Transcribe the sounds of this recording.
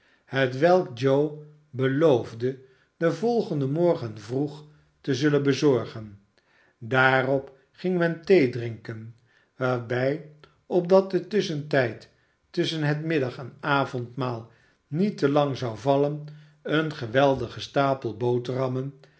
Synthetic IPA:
hətʋɛlˠk̚d͡ʒow | bəlowvdə | dəvɔlˠχəndəmɔɹχənvruχ | təzɵlənbəzɔɹχən | daːrɔp | χɪŋmɛntejdrɪŋkən | ʋaːɹbɛj | ɔp̚dɑt̚dətʏsəntɛjtː | ʏsənɦətmɪdɑχɛnaːvɔntmaːlˠ | nitəlɑŋzɑwvɑlən | ənχəʋɛlˠdəχəstaːpəlˠbowtrɑmən

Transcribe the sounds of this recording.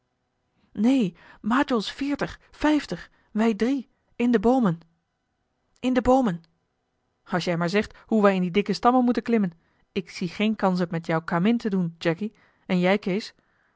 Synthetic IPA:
nejmaːtɔlˠsfɪːɹtəχfɛjftəχ | ʋɛjdri | ɪndəbowmən | ɪndəbowmən | ɑlˠsjɛjmaːɹzɛχthuʋɛjɪndidɪkəstɑmənmutənklɪmən | ɪksiχejnkɑns̬ɔpmɛtjɔwkaːmɪntədund͡ʒɛki | ɛnjɛjkejs

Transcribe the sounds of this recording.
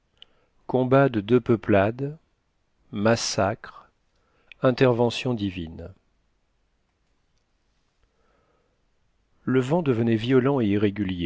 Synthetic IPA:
kɔ̃bad̪əd̪øpəplad̪ | masakχ | ɛ̃t̪ɛʁvɑ̃sjɔ̃d̪ivin | ləvɑ̃d̪əvənɛvjɔlɑ̃eiʁeɡʲylje

